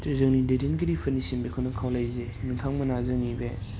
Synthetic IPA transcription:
tizɯŋnidedinɡiɾipʰɯnisimbikʰownɐkʰawlajze | nuŋtʰaŋmɐnazɯŋnibe

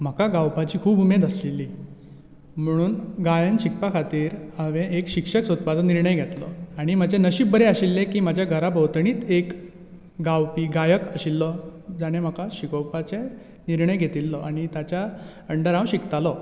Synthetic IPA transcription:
m̤əkaɡawpat͡ɕiːkʰuːbumed̪əslilːiː | m̤əɽ̃uːnɡajənt͡ɕikpakʰat̪iːɾəʋẽʔekɕikʂəksət̪̚pad̪niɾɳəjɡʱet̪lɔ̰aɽ̃im̤ad͡ʑenəɕiːb̚bəɾeaɕilːekiːm̤ad͡ʑʱjaɡʱəɾabəwt̪ɳiːt̪ek | ɡawpiːɡajəkəɕilːɔd͡zaɽ̃em̤akaɕikɔwpat͡se | niɾɳəjɡʱet̪ilːɔʔaɽ̃it̪jat͡ɕjaəɳɖəɾãwɕikt̪alɔ

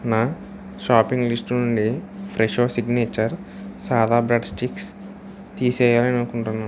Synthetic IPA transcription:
naː | ʃaːpiŋɡlisʈnuɳɖipʰɾeʃoːsiɡneːt͡ʃɐɾ | saːd̪aːbɾɐɖsʈiks | t̪iːsɛːjaːlɐnɐnukuɳʈunːa

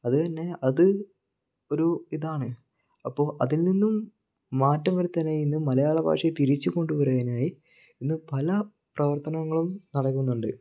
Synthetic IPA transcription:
ɐðɨt̪ɐnːe̞ɐðɨ | o̞ɾuiðaːɳɨ | ɐpːo̞ːɭʔɐ̰ðilninːumː | aːtːɐmɐɾut̪ːɐnːeinːɨmɐlɐjaːɭɐbʱa̰ːkʂɐjt̪iɾit͡ɕːuko̞ɳɖuʋɐɾɐjɐnaːji | inːɨpɐlɐ | prɐʋɐrt̪ɐnɐŋːɐɭumnɐɽɐkːunːuɳɖɨ

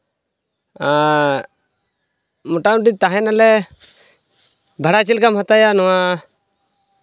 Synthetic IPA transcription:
a | muʈamʈit̪aɦɛnalɛ | bʱaɽat͡ʃilkamhat̪ajanɔwa

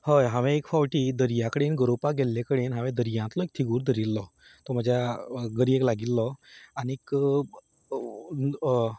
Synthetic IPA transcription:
həjɦãʋɛ̃ekfawʈiːd̪əɾjakəɽenɡəɾopaɡʱelːẽkəɽenɦãʋɛ̃d̪əɾjãnt̪lɔek̚t̪ʰiɡuːɾd̪ʱəɾilːɔ | t̪ɔm̤əd͡ʑʱjaɡəɾijeklaɡilːɔaniek

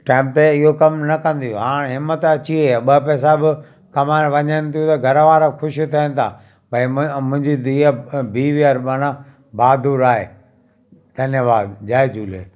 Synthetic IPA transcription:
ʈaːɪmt̪eɪɦokɐmnɐkɐ̃nd̪ijoɦãːɽ̃ɦɪmːət̪ɐt͡ɕieɓɐpɛːs̬abɪ | kɐmaːɾʋɐɲənɪ̆t̪ʰijũt̪ɐɡʱɐɾʋaːɾaxʊʃit̪ʰɐə̃nɪ̆t̪ʰa̰ː | pɐĩmʊ̃ɦɪ̃ɲd͡ʑiiabʱiːʋiaɾbaɽ̃ã | baːd̪uːɾaːɦḛː | d̪̥ʱɐnjəʋaːd̪d͡ʑaːed͡ʑuːlḛː

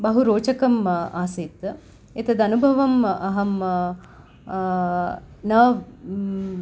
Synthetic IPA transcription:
bɐɦuɾoːt͡ʃɐkɐmaːsit̪ | et̪ɐd̪ɐnubʱɐʋɐmɐɦɐm | nəː

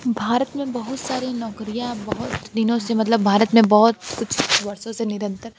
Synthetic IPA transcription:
bʱaːɾət̪mẽbɐɦʊt̪saːɾinɔːkɾijãbɐɦʊt̪d̪ɪnõsemɐt̪̬ləbbʱaːɾət̪mẽbɔɦʊt̪kʊt͡ʃʰʊbɐɾsõsenɪɾə̃nt̪əɾ

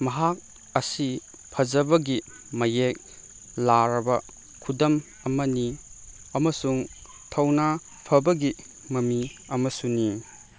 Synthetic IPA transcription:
mɐɦak̚ | ɐsi | pʰɐd͡ʒɐbɐɡi | mɐjek̚ | laɾɐbɐ | kʰudɐm | ɐmɐni | ɐmɐsuŋ | tʰɐwna | pʰɐbɐɡi | mɐmiɐmɐsuni

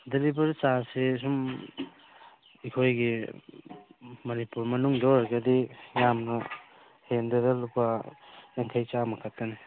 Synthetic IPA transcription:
delibɐɾt͡ʃasesum | ikʰojɡi | mɐnipuɾmɐnuŋdɔɾaɾɡɐdijamnɐ | hendeɾɐlupajaŋkʰajt͡ʃamɐkʰatːɐne

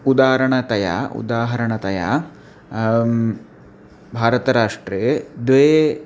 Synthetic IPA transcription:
ud̪aːɾɐɳɐt̪ɐja̰ːṵd̪aːɦɐɾɐɳɐt̪ɐja̰ | bʱaːɾɐt̪ɐɾaːʂʈɾeːd̪ʋeː

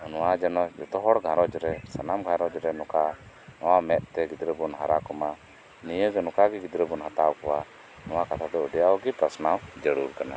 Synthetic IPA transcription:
nɔwad͡ʒɛnɔd͡ʒɔt̪ɔɦɔɽɡʱãɾɔd͡ʒɾɛsanamɡʱãɾɔd͡ʒɾɛnɔka | nɔwamɛʔ̪̚t̪ɛɡid̪ɾəbɔnɦaɾakɔma | nijəɡɔnɔkaɡiɡid̪ɾəbɔnɦat̪awkɔwa | nɔwakat̪ʰad̪ɔuɖijawɡipɾasnawd͡ʒəɽuɾkana̰

